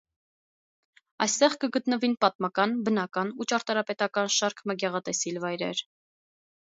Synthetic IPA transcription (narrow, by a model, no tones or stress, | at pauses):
ɑ̰jst̪ɛʁkəɡət̪nəvinpɑt̪̚mɑkɑnbənɑkɑnut͡ʃɑɾt̪ɑɾɑpɛt̪ɑkɑnʃɑɾkʰməɡɛʁɑt̪ɛsilvɑjɾɛ̰ɾ